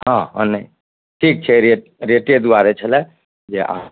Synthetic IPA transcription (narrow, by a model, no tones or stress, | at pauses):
ɦãɦãne | ʈʰik̚t͡ʃʰɛɾe | ɾeʈed̪uaɾet͡ʃʰəlɛ | d͡ʒeʔa̰